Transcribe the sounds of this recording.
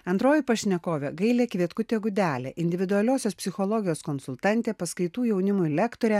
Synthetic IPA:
ɐnt̪ɾoːjɪpɐʃʲnʲɛkoːʋʲɛɡɐɪlʲeːkʋʲiɛt̪kʊt̪ʲeːɡʊd̪ʲæːlʲḛːʔɪnʲd̪ʲɪʋʲɪd̪ʊɐlʲoːsʲoːspʲsʲɪxɔlˠɔːɡʲɪjoːskɔnsʊlʲˠt̪ɑnʲt̪ʲeːpɐskɐɪt̪uːjɛʊnʲɪmʊɪlʲɛkt̪oːɾʲɛ

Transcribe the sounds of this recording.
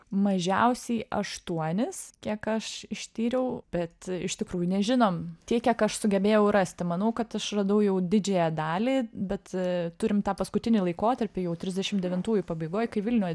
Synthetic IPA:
mɐʒʲɛ̰ʊsʲɛɪʔɐ̰ʃt̪uɔnʲɪskʲiɛkɐʃɪʃʲt̪ʲiːɾʲɛʊb̥ʲɛt̪ɪʃt̪ʲɪkɾuːjʊnʲɛʒʲɪnoːmt̪ʲiɛkʲiɛkɐʃsʊɡʲɛbʲeːjɛʊrɐsʲt̪ʲmɐnɐʊkɐt̪ɐʃrɐd̪ɐʊjɛʊd̪ʲɪd͡ʒʲeːjæd̪ɑːlʲiːbʲɛt̪t̪ʊɾʲɪmt̪ɑːpɐskʊt̪ʲɪnʲiːlˠɐɪkoːt̪ɐɾʲpʲɪjɛʊt̪ʲɾʲɪzʲd̪ʲɛʃʲɪmd̪ʲɛʋʲɪnt̪uːjʊpɐbɐɪɡoːjkɐɪʋʲɪlʲnʲuːj

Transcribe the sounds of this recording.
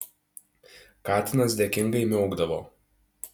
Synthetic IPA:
kɑːt̪ʲɪnɐsd̪ʲɛkʲɪŋɡɐɪmʲɛʊɡd̪ɐʋoː

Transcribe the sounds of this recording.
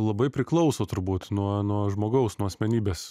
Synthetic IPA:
lˠɐbɐɪpʲɾʲɪklˠɐʊsoːt̪ʊɾbuːt̪nuɔnuɔʒmoːɡɐʊsnuɔɐsʲmʲɛnʲiːbʲeːs

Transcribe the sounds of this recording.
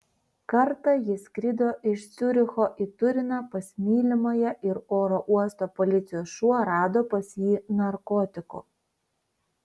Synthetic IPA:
kɐɾt̪ɐjɪsʲkɾʲɪd̪oːʔɪʃt̪sʲʊɾʲɪxoːʔit̪ʊɾʲɪnɑpɐsʲmʲiːlʲɪmɐjɛʔɪɾoːɾoʔuɔst̪oːpolʲɪt̪sʲɪjoːsʃuɔɾɑːd̪oːpɐsʲjiːnɐɾkɔːt̪ʲɪko̰ː

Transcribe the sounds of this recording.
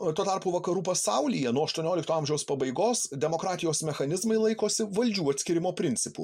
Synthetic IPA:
t̪uːt̪ɑɾpuːʋɐkɐɾuːpɐsɐʊlʲijɛnuɔɐʃt̪uɔnʲoːlʲɪkt̪oːɐmʲʒʲɛʊspɐbɐɪɡoːsd̪ʲɛmoːkɾɑːt̪ʲɪjoːsmʲɛxɐnʲɪzmɐɪlˠɐɪkoːsʲɪʋɐlʲd͡ʒʲuːɐt̪ʲsʲkʲɪɾʲɪmoːpʲɾʲɪnʲt̪sʲɪpṵ

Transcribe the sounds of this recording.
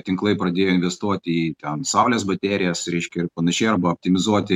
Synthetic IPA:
t̪ʲɪŋklˠɐɪpɾɐd̪ʲeːjoːɪnʲʋʲɛst̪uɔt̪ʲɪiːt̪ʲɛnsɐˑʊlʲeːsbɐt̪ʲæːɾʲɪjɛsɾʲɛɪʃʲkʲɛɪɾpɐnɐʃʲɛɪɐɾbɐoːp̚ʲt̪ʲɪmʲɪzuɔt̪ʲɪ

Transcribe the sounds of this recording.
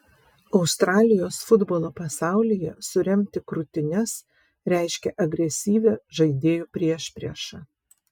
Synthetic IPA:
ɒʊst̪ɾɑːlʲɪjoːsfʊd̪bolˠoːpɐsɑˑʊlʲiːjɛsʊɾʲɛmʲt̪ʲɪkɾʊt̪ʲɪnʲɛs | ɾʲæˑɪʃʲkʲɛʔɐɡɾʲɛsʲiːʋʲɛʒɐɪd̪ʲeːjuːpʲɾʲiɛʃʲpʲɾʲɛ̰ʃɑ

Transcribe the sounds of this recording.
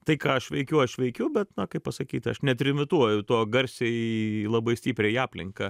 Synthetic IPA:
t̪ɐɪkɑːɐʃʋʲɛɪkʲʊɐʃʋʲɛɪkʲʊbʲɛt̪nɐkɐɪppɐsɐkʲiːt̪ʲɐʃnʲɛt̪ʲɾʲɪmʲɪt̪uɔjʊt̪oːɡɐɾʲsʲeːilˠɐbɐɪsʲt̪ʲiːpʲɾʲeːiɑːpʲlʲɪ̰ŋkɑ

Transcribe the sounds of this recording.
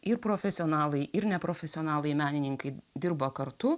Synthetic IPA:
ɪɾpɾoːfʲɛsʲɪɔnɑːlˠɐɪɪɾnʲɛpɾoːfʲɛsʲɪoːnɑːlˠɐɪmʲæːnʲɪnʲɪŋkɐɪd̪ʲɪɾbɐkɐɾt̪ʊ

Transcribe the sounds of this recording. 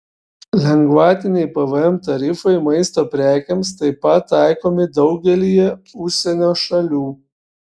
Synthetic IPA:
lʲɛŋɡʋɑːt̪ʲɪnʲɛɪpɐʋɛmt̪ɐɾʲɪfɐɪmɐɪst̪oːpʲɾʲæːkʲɛmst̪ɐɪpɐt̪ːɑˑɪkoːmʲɪd̪ɒʊɡʲɛlʲijɛʊʃʲsʲɛnʲoːʃɐlʲuː

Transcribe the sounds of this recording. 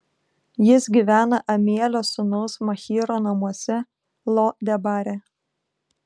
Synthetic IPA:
jɪsɡʲiʋʲæːnɐʔɐmʲiɛlʲoːsʊnɐʊsmɐxʲiːɾoːnɐmuɔsʲɛ | lˠod̪ʲɛbɑːɾʲɛ

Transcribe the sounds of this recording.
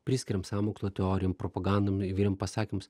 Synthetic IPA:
pʲɾʲɪsʲkʲɪɾʲɛmsɑːmoːkst̪oːt̪ʲɛɔːɾʲɪjompɾɔpɐɡɑnd̪oːmɪʋʲiːɾʲɛmpɐsɑːkʲɪmʊs

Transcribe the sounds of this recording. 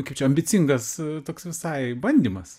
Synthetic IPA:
kɐɪpt͡ʃʲɛɐmʲbʲɪt͡s̪ʲiŋɡɐst̪oːksʋʲɪsɐɪbɐnʲd̪ʲiːmɐs

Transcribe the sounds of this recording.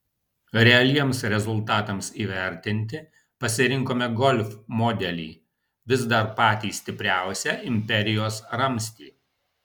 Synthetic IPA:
ɾʲɛɐlʲiɛmsɾʲɛzʊlˠt̪ɑːt̪ɐmsiːʋʲæɾʲt̪ʲɪnʲt̪ʲɪ | pɐsʲɪɾʲɪŋkoːmʲɛɡɔlʲfmɔːd̪ʲɛlʲḭː | ʋʲɪzd̪ɐɾpɑːt̪ʲiːsʲt̪ʲɪpʲɾʲæˑʊsʲɛʔɪmʲpʲɛɾʲɪjoːsɾɐmʲsʲt̪ʲiː

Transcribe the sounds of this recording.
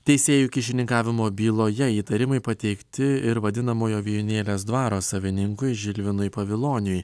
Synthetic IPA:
t̪ʲɛɪsʲeːjuːkʲɪʃʲɪnʲɪŋkɑːʋʲɪmoːbʲiːlˠoːjɛiːt̪ɐɾʲɪmɐɪpɐt̪ʲɛɪkt̪ʲɪɪɾʋɐd̪ʲɪnɐmoːjoːʋʲiːjʊnʲeːlʲeːs̬d̪ʋɑːɾoːsɐʋʲɪnʲɪŋkʊɪʒʲɪlʲʋʲɪnʊjpɐʋʲɪlˠoːnʲʊj

